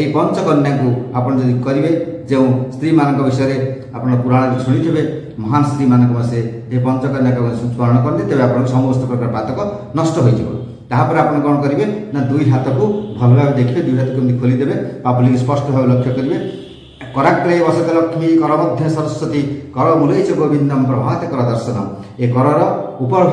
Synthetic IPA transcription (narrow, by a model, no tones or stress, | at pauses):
eipɔnt͡ʃɔkɔnːjaŋkuapɔɽ̃ɔd͡ʒɔd̪ikukɔɾibed͡ʒeũst̪ɾimanɔŋkɔbisɔjɔɾe | apɔɽ̃ɔɾɔpuɾaɽ̃ɔɾit͡ʃʰuɽ̃it̪ʰibe | mɔɦanɔst̪ɾimanɔ̃ŋkɔmase | epɔnt͡ʃɔkɔnjakak̪sut̪pɔɾɔɽ̃ɔkɔɾɔnt̪it̪ebeapɔɽ̃ɔ̃kusɔmɔbɔst̪ʰɔpɾɔkaɾpat̪ɔkɔ | nɔsʈɔɦojt̪ʰibɔ̰ | t̪aɦapɔɾiapɔɽ̃ɔkɔɽ̃ɔkɔɾibenad̪ujɦat̪ɔkubʱɔlɔbʱabed̪ekʰibed̪ujɦat̪ɔkumt̪ikʰolid̪ebepabɔlikispɔsʈɔbʱabelɔkʰːjɔkɔɾibe | kɔɾak̚ɾajebɔsɔt̪elɔkʰːimikɔɾɔbɔd̪ʱːjɔsɔɾɔsːɔt̪ikɔɾɔmulejt͡ʃʰɔɡobʱind̪ɔmpɾɔbʱaɔt̪ekɔɾɔd̪ɔɾsɔnɔ | ekɔɾɔɾɔupɔbʱ